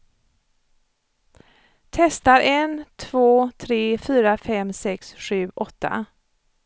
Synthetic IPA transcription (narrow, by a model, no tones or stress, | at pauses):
t̪ʰɛst̪aɾʔɛnt̪ʰv̥oːt̪ʰɾeːfyːɾafɛmsɛksɧʉ̟ːʔɔt̪ʰːa̰